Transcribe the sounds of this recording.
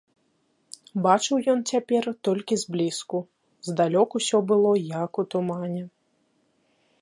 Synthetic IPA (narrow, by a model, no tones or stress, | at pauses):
bat͡ʂɨwjɔnt͡sʲapʲɛrt̪ɔlʲkʲizblʲisku | zd̪alʲɔkusʲɔbɨlˠɔjakut̪umanʲɛ